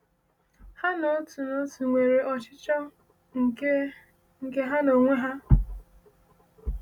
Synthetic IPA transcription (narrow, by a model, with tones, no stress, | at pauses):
ha˦no˨˦tu˨no˦tu˨ŋʷe˨ɾe˨ʔɔ˨t͡ʃɪ˦t͡ʃɔ˦ | ŋ̩˨˦ | ŋ̩˨ke˦ɦa˦no˨ŋʷe˦ɦa˦